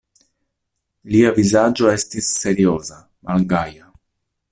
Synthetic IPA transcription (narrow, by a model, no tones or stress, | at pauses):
liavizad͡ʒo̞estisːe̞ɾioza | malɡaja